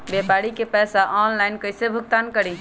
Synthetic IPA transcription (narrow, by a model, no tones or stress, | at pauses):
bepaɾikepɛsaʔɔnlajnkəjsebʱuk̚t̪ankəɾi